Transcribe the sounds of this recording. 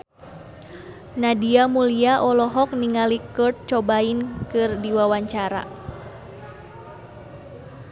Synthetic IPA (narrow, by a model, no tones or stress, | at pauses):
nadiamuliaʔɔlɔɦɔk̚niŋalikɔrt̪̚t͡ʃɔbainkɨrdiwawaɲt͡ʃaɾa̰